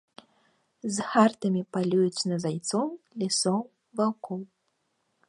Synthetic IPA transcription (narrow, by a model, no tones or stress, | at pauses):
zxart̪ɐmʲipalʲujut͡sʲnɐzajt̪sɔwlʲisɔw | vawkɔw